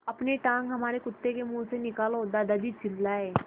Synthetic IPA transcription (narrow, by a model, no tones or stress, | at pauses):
ɐpneʈãːŋkɦɐmaːɾekʊt̪ːekemũːsenɪkaːlɦoːd̪ad̪ɐd̪it͡ʃʰɪlːaɛː